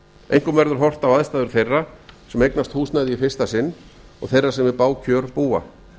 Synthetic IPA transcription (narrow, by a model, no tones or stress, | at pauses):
ḛjŋkʏmvɛɾðʏɾ̥ɦɔr̥t̪avaðst̪aːðʏɾ̥θejrːasɛmejknast̪huːsnaðɪifɪr̥st̪asɪnː | ɔ̰ɣθejrːasɛmvɪpaːwcʰœːɾpuːa̰